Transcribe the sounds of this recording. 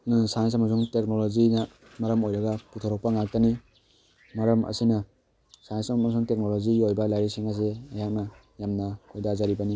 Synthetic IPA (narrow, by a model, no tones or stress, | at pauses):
sajns̬amas̬uŋtek̚nolozina | maɾɐmojɾɐɡaputʰɔɾɔk̚paŋak̚tani | maɾɐmɐ̰sinɐ | sajnsmasuŋtek̚noloziɡiojbalajɾisiŋas̬eajhak̚na | jamnakʰojdazaɾibani